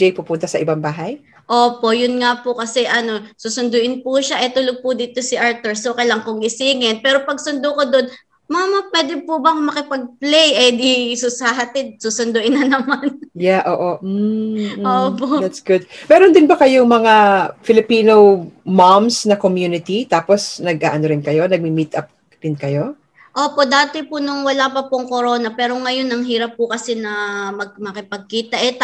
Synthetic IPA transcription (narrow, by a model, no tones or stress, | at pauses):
ɛjpʊpunt̪ɐsɐʔɪbaŋbaːɦɐj | ʔoːpo̞ʔjʊnŋapokɐsɛʔɐno̞suːsʊnd̪ʊʔɪnpuʃaʔɛt̪ʊloɡ̚pʊd̪iːt̪o̞siʔaɹt̪ʊɹsokɐjlɐŋkoŋʔɪsiːŋɛnpɛːɾopɐɡ̚sʊnd̪okod̪on | mamɐpwɛd̪ɪpubɐŋmɐkɪpɐɡ̚plɛjʔɛd̪isusaɦɐt̪ɪd̪̚susʊnd̪ʊʔɪnːɐnɐmanjaʔoːʔo | opoʔd̪atsɡ̥ʊd̪̚mɛːɾond̪ɪnbɐkɐjoŋmɐŋafɪlɪpiːnomamsnɐkomjuːnɪt̪it̪aːposnɐɡ̚ʔa̰ːʔɐnoɾɪnkɐjo̞nɐɡ̚mimit̪ʔɐp̚ | d̪ɪnkɐjo̞ | ʔoːpo̞ʔd̪aːt̪ɪpʊnʊŋwɐlaːpɐpʊŋkoɾo̞ːnɐpɛːɾo̞ŋɐjo̞nɐŋɦiːɾɐpːʊkɐsɛnɐmɐɡ̚mɐkɪpɐɡ̚kiːt̪ɐʔɛt̪